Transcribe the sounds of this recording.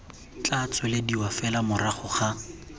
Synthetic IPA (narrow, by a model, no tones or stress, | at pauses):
t͡ɬat͡sʰɔlediwafɛlamʊraχʊχa